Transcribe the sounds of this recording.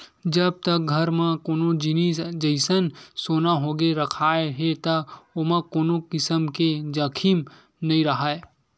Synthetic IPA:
d͡ʒəb̚t̪ɐk̚ɡʱɐɾmãkoːnod͡ʒɪnid͡ʒəɪsənsoːnaɦoːɡeɾɐkʰaːeɦet̪ɐomãkoːnokɪsəmked͡ʒɐkʰim | nɐĩɾəɦaːe

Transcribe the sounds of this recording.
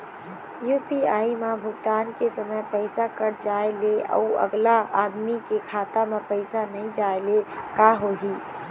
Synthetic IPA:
juːpiaːimãbʱʊɡt̪aːnkesəməjpɛɪsakəɾd͡ʒaːeleɔ̰ə̰ɡlaaːd̪mikekʰaːt̪amẽpɛɪsanɐɦĩd͡ʒaːelekaːɦoɡiː

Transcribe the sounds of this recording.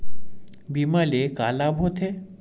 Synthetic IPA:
bimaleka̰ːlabʱot̪ʰe

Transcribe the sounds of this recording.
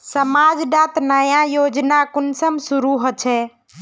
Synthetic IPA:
səmad͡ʒɖat̪nəjãjod͡ʒnakunsəmsuɾuɦət͡ʃʰɛ

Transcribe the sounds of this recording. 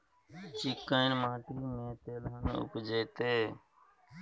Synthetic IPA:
t͡ʃɪkːəinmãːʈiːnẽːt̪eːlɦənʊ̰kd͡ʒeːt̪eː

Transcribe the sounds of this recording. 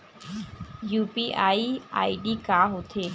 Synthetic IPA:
juːpiʔaːia̰ːiɖikaːɦot̪ʰe

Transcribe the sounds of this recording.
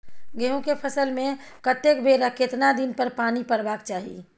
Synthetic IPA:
ɡeɦõkepʰəsəlmẽkət̪ekbʱeːɾəkɪt̪nad̪inpəɾpaːnipəɾbaːkt͡ʃaːɦḭ

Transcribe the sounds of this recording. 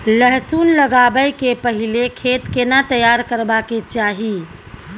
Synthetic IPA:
ləɦsuːnləɡabəjkepəɦilekʰeːt̪kenat̪əjaɾkəɾbaket͡ʃaːɦi

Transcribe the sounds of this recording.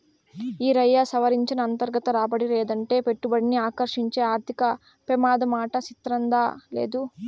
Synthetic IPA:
iːɾɐjːaːsɐʋɐɾiɲt͡ʃinɐːnt̪ɐɾɡɐt̪ɐɾaːbɐɽileːd̪ɐɳʈe̞ːpe̞ʈːubɐɽiniaːkɐɾʂiɲt͡ʃe̞ːaːɾt̪ʰikɐ | pɛmaːd̪ɐmaːʈɐt͡ʃit̪ɾɐnd̪ale̞̰ːd̪u

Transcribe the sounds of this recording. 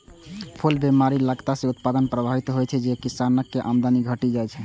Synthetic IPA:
pʰulbemaɾiləɡt̪asẽut̪̚pad̪ənpɾəbʱaɦit̪ɦojt͡ʃʰɛd͡ʒekisanəkːeʔamd̪aniɡʱəʈid͡ʒajt͡ʃʰɛ

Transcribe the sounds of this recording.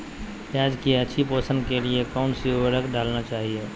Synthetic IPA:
aːd͡ʒkiat͡ʃʰiposənkeliekɔːnsibəɾəkɖaːlnat͡ʃaːɦie

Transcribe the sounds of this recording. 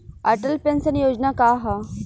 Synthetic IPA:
ɐʈəlpensənjod͡ʑnakaɦa

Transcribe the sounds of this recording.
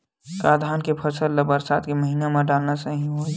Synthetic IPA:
kaːd̪ʱaːnkepʰɐsəlːɐbəɾsaːt̪keməɦiːnamãɖaːlnasəɦĩɦoː

